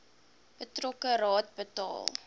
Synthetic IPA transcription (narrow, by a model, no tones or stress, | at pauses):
bətrɔkəɾɑːt̚bətɑ̰ːlˠ